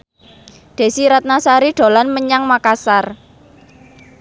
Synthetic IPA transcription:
d̪̥e̤siɾat̪̚nasaɾiɖ̪̥o̤lanməɲaŋmakasar

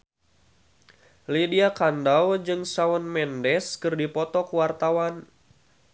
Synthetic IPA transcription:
lidiakandawd͡ʒɨŋsaɔnmɛndɛskɨrdipɔt̪ɔkuwart̪awan

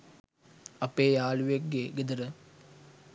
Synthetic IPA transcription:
ɐpeːjaːluʋekːeɡed̪əɾə

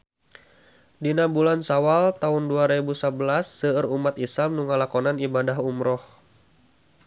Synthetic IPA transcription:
dinabulansawalt̪aʊnduaɾebusabəlasːəərumat̪isamnuŋalakɔnanibadaɦumɾɔh

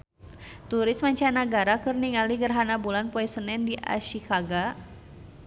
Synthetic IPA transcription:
t̪uɾɪsmaɲt͡ʃanaɡaɾakɨrniŋaliɡərɦanabulanpɔɛsənɛndiʔa̰ʃikaɡa

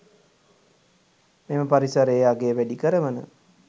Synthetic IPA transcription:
meməpaɾisaɾeaɡeːʋæɖikəɾəʋənə̰

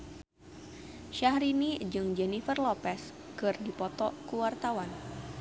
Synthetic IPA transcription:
ʃahɾinid͡ʒɨŋd͡ʒɛnifərlɔpɛs | kɨrdipɔt̪ɔkuwart̪awan

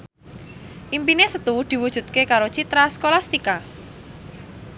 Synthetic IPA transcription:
ʔimpinesət̪uud̪̥i̤wu̥ʒ̥ṳt̪̚kekaɾot͡ʃit̪ɾaskolast̪ika

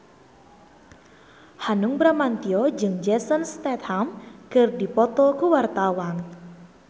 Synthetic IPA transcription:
hanʊŋbɾamant̪iɔd͡ʒɨŋd͡ʒɛsənst̪ɛt̪̚hamkɨrdipɔt̪ɔkuwart̪awan

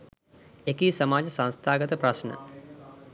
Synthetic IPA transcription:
ekisɐmaːd͡ʒɐsɐ̃nst̪ʰaːɡət̪əpɾɐʃnə̰

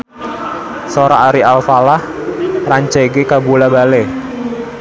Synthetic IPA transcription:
soɾaaɾialfalah | raɲt͡ʃeɡekabulabale

